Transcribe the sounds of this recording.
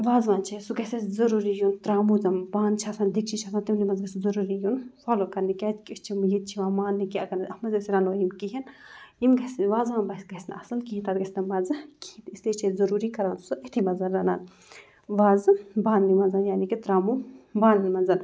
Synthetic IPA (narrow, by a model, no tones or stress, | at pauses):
ʋaːzʋaːnt͡ʃʰesuɡɐseszɐɾuːɾijunt̪ɾaːmuzɐmbaːnt͡ʃʰaːsaːnd̪ik̚t͡ʃʰit͡ʃʰaːsaːnt̪imlimɐnzɡɐsuzɐɾuːɾijunfaːloːkɐɾnikʲɐt̪ʰkist͡ʃʰimjit̪̚t͡ʃʰiʋaːmaːnːikiɐɡɐnɐhmɐzɐsiɾanoːjimkiɦinjimɡɐsʋaːzʋaːnbɐsɡɐsʲnɐsɨlkiɦint̪at̪ɡɐsʲnɐmɐnzɨkihit̪islet͡ʃʰezɐɾuːɾikɐɾãːnsuʔɐt̪ʰimɐnzɐɾːɐna̰ːn | ʋaːzɨbaːnnimɐnzɐnjaːnikit̪ɾaːmubaːnɐnmɐnzɐn